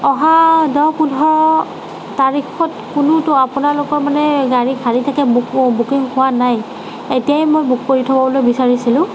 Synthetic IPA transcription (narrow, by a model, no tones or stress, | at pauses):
ɔɦadɔwpudʱɔ | taɹikɔtkʊnʊtʊapʊnalʊkɔɹmanɛɡaɹikʰalitʰakɛbkbukiŋhʊwanaj | etijajmojbuk̚poɹitʰɔbɔbɔlojbisaɹisilʊ̃